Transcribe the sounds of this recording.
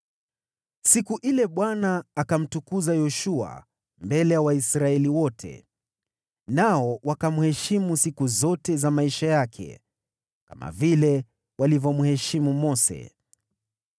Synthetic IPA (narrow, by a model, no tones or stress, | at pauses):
sikuʔilɛɓwanaːkam̩tukuzajɔʃua̰ | mbɛlɛjawaisɾaɛliwɔtʰɛ̰ | naɔwakamuhɛʃimusikuzɔtɛzamaiʃajakʰɛ̰ | kama̰vilɛ | walivɔmuhɛʃimumɔsɛ̰